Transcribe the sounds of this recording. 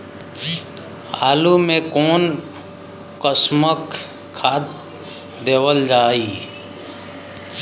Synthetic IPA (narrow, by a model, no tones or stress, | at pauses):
aːlumẽkoːn | kəsmək | kʰːaːt̪̚ | d̪eːwəld͡ʒaːiː